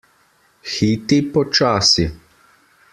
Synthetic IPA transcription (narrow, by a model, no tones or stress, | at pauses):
xiːt̪ipɔt͡ʃaːsi